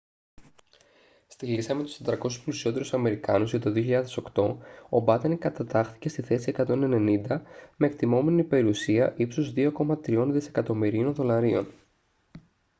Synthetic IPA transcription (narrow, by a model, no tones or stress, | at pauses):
st̪ilisɐmet̪u̥st̪et̪ɾɐko̞su̥splusio̞t̪e̞ɾusɐme̞ɾikɐnuzʝɐt̪o̞ðio̞çiʎɐðe̞so̞kt̪o̞o̞bɐt̪enkɐt̪ɐt̪ɐxθi̥ce̞st̪iθe̞sie̞kɐt̪o̞ne̞ne̞nind̪ɐme̞ːk̚t̪imo̞me̞nipe̞ɾiusiɐʔipsozðio̞ko̞mɐt̪ɾio̞nðise̞kɐt̪o̞miɾio̞nðo̞lɐɾio̞̰n